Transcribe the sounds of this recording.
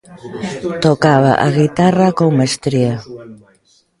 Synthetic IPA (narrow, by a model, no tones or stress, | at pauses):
t̪okaβa̰ʔaɣit̪arakowmest̪ɾia